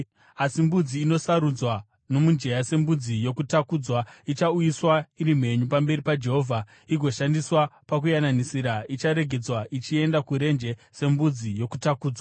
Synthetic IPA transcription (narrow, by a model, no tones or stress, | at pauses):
asimbud͡ziːno̞saɾud͡zwa | no̞mund͡ʒe̞jase̞mbud͡zijo̞kutakuːd͡zwait͡ʃaujiswaiɾim̤e̞ɲupambe̞ripad͡ʒe̞ɦo̞vʱa | iɡʱo̞ʃandiswapak̬ujananisiɾait͡ʃaɾe̞ɡʱe̞d͡zwaʔit͡ʃie̞ndakuɾe̞nd͡ʒe̞se̞mbud͡zijo̞kutakuːd͡zwa